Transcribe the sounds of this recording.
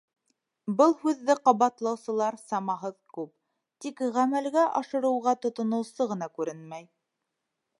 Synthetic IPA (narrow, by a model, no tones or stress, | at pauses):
bɤlˠhʉðːɘqɑβɑt̪lˠɑwsɤ̆lˠɑɾsɑmɑɦɤðkʉp̚ | t̪ikʁæmælɡæʔɑʃɤ̆ɾɤ̆wʁɑt̪ŏt̪ŏnŏw̪ˠsɤʁɤ̆nɑkʉɾɘnmæj